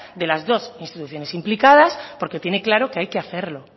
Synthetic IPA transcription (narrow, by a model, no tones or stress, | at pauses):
d̪e̞lazðo̞sinst̪it̪uθjo̞ne̞simplikað̞aspo̞ɾke̞t̪je̞ne̞klaɾo̞keajkeaθe̞ɾlo̞